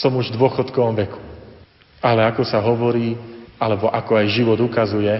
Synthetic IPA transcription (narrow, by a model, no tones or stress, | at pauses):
sɔmuʒvd̪ʊɔxɔt̪kɔʋɔmʋɛku̥ | alɛakɔsaɦɔʋɔɾiːalɛbɔʔakɔajʒiʋɔd̪ukazujɛ